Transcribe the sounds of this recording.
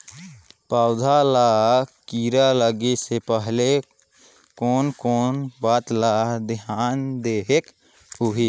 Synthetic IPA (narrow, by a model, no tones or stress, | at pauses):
paːʊd̪ʱalaːɦkiːɾaləɡesepəɦle | kɔːnkoːnbaːt̪laːɦd̪ɪɦaːnd̪eːɦek | ɦʊɦiː